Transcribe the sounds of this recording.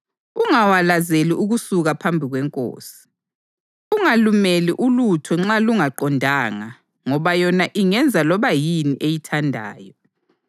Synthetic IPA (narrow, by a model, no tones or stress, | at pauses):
uŋawalazeliʔuɣusuɣapʰambʱiɣwɛŋkʼo̰ːsi̥ | uŋalumeliʔulutʰɔŋ͡ǁaluŋaǃɔndʱaːŋa | ŋɔβajɔnaʔiŋɛnd͡zʱalɔβajiniʔejitʰandʱa̰ːjɔ